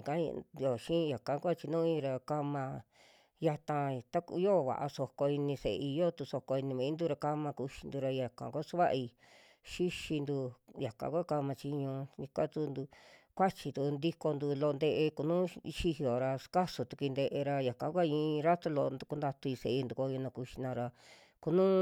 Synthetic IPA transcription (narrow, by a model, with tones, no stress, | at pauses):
kã˦˧jo˨ʃĩ˦˧ja˨kã˨˦kʷa˦˧t͡ʃi˧nũː˦ĩ˧ɾa˧ka˧mã˧ | ja˧t̪ã˧t̪a˦kjo˦˧βa̰˨ʔa̰˧so˧ko˧i˧nĩ˧sḛ˨˧i˧jo˦t̪u˧so˧ko˧i˧nĩ˧mĩ˨˦nd̪u˧ɾa˧ka˦mã˧ku˧ʃi̥˧nd̪u˧ɾa˧ja˨kã̰˨kʷsu˦βa˦ʔi˧ | ʃi˦ʃi˧nd̪u˧ja˨kã̰˨˧kʷa˦ka˧mã˧t͡ʃi˧ɲũ˧ɲi˧kʷa˦t̪u˧nd̪u˧ | kʷa˦t͡ʃi˧t̪u˧nd̪i˧ko˧nd̪u˧lo˧nd̪e˧ʔe˧ku˧nũ˦˧ʃi˧hi˧o˨ɾa˧ska˦su˨˧t̪u˧ki˧nd̪e˧ʔe˧ɾa˧ja˨kã˨˦kʷa˦˧ĩː˧ɾa˦t̪u˧lo˧nd̪u˧ku˧˦nd̪a˧t̪u˧i˧se˨˧i˧nd̪u˨˧kʷo˧jo˧nã˧ku˧ʃi˧nã˧ɾa˧ | ku˧nũ˦